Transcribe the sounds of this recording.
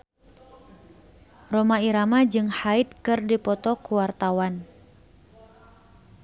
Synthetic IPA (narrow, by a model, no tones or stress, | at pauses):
romaiɾamad͡ʒɨŋhait̪̚kɨrdipɔt̪ɔkuwart̪awan